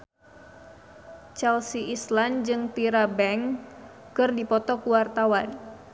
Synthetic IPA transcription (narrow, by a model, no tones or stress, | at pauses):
t͡ʃɛlsiʔisland͡ʒɨŋt̪iɾabɛŋ | kɨrdipɔt̪ɔkuwart̪awan